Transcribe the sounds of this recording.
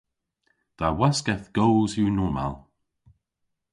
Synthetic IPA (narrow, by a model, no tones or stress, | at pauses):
d̪̥awaskɛθɡ̥oːzjunɔːma̰lˠ